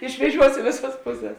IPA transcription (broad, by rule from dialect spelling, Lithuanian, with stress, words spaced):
ɪʃʲʋʲɛˈʒʲuɔs ɪ ˈʋʲeːˌsɐs ˈpʊˌsʲɛs